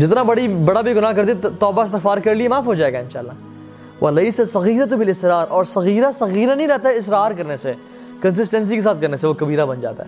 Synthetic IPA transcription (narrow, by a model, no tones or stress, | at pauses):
d͡ʒɪt̪nabɐɽibɐɽabʱiɡʊnaːkɐɾt̪et̪ɔːbaɪst̪ɪxfaːɾkɐɾliemaːfɦoːd͡ʒaːeːɡaɪnʃaːəlːaː | ʋʔɐleɪsɐsɐɣiːɾɐt̪bɪlɪsɪɾaːɾɔːɾsɐɣiːɾasɐɣiːɾanɐ̃ɦĩɾɛɦt̪aɦɛɪsɾaːɾkɐɾnese | kɐns̬ɪsʈɛ̃ns̬ikesaːt̪̚kɐɾneseʋokɐbiːɾabɐnd͡ʒa̰ːt̪a̰ɦɛ̰ː